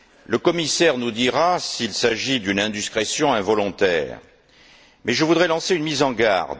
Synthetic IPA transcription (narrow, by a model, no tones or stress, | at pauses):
ləkɔmisɛʁnud̪iʁasilsaʒid̪ynɛ̃d̪iskχesjɔ̃ɛ̃vɔlɔ̃t̪ɛ̰ːʁ | mɛʒəvud̪ʁɛlɑ̃seynmizɑ̃ɡa̰ʁd̪